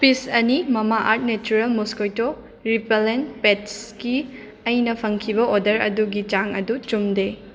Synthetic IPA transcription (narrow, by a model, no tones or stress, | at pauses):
pisɐnimɐmaʔaɾt̚net͡ʃuɾelmuskojto | ɾipelenpetski | ɐjnɐpʰɐŋkʰibɐʔodɐɾɐ̰duɡit͡ʃaŋɐdut͡ʃumde